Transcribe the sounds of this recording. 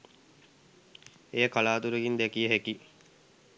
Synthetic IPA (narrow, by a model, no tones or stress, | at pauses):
ejəkalaːt̪uɾeɡind̪ekijəɦeki